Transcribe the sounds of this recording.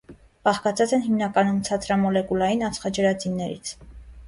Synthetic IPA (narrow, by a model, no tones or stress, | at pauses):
b̥ɑχkɑt͡sʰɑt͡sɛnɦimnɑkɑnunt͡sʰɑt͡sɾɑmɔlɛkulɑjinɑnt͡sʰχɑd͡ʒəɾɑt͡sinːɛɾḭt͡sʰ